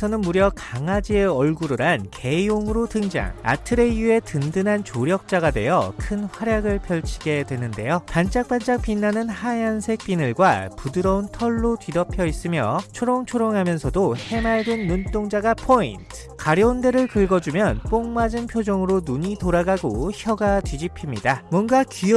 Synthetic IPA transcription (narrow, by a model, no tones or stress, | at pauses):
sʰʌnɯnmuɾjʌkaŋad͡ʑieʌɭɡuɾɯɾanke̞joŋɯɾotɯŋd͡ʑa̰ŋa̰tʰɯɾe̞jue̞tɯndɯnɦant͡ɕoɾjʌk̚t͡ɕ͈aɡadwe̞jʌkʰɯnɸwaɾjaɡɯɭpʰjʌɭt͡ɕʰi̥ɡe̞dwe̞nɯnde̞jopant͡ɕ͈ak̚p͈ant͡ɕ͈ak̚p͈inːanɯnhajansʰe̞k̚p͈inɯɭɡwapudɯɾʌuntʰʌɭːotɥidʌpʰjʌis͈ɯmjʌ̰t͡ɕʰoɾoŋt͡ɕʰoɾoŋɦamjʌnsʰʌdohe̞maɭdwenːunt͈oŋd͡ʑaɡapʰointʰɯ̥kaɾjʌunde̞ɾɯɭkɯɭɡʌd͡ʑumjʌnp͈oŋmad͡ʑɯnpʰjod͡ʑʌŋɯɾonuɲitoɾaɡaɡoçjʌɡatwɥid͡ʑipʰimɲidamwʌnɡaki